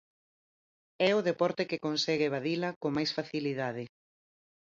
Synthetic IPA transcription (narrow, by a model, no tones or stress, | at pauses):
ɛʊðepɔɾt̪ekɪkonsɛɣeβ̞aðilɐkomajsfaθiliðaðɪ